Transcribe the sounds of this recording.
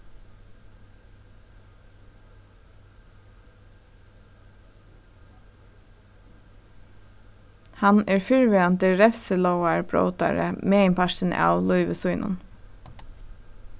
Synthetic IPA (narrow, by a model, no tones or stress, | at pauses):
hɑneːɹfʏɹʋeːɑnt̪əɹɛfsəloʊɑɹbɹo̰ʊt̪ɑ̰ɹə̰meːɪmpɑʃən̩̰ʔɑ̰ːʋlʊʏʋəsʊʏnʔʊ̰n